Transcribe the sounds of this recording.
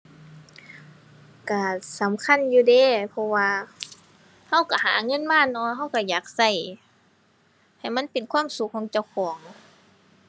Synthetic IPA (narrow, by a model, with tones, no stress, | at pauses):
ka˧˩sa˨˦mkʰa˧˥˨njuː˧˩deː˧˩pʰɔ˧waː˧ | ha˧˥˨wka˧˩ɦaː˨˦ŋɤ˧˥˨nmaː˧˥˨nɔː˧˩ɦa˧˩˨wka˧˩jaː˨˩k̚sa˧˩j | ha˨˩jma˧˥˨npe˨nkʰwaː˧˥˨msu˧˦k̚ʰːɔː˨˦ŋt͡ɕa˧˩˨wkʰɔː˨˦ŋ